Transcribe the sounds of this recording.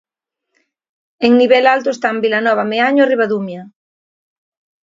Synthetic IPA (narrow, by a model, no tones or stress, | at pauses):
eŋniβɛlalt̪oest̪ambilanɔβameaɲoariβaðumja